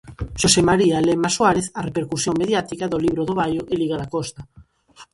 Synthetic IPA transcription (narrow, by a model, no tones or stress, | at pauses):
ʃosemaɾialemaswaɾeθarepeɾkusjoŋmeðjat̪ikaðoliβɾoðoβ̞ajoʔeliɣaðakost̪a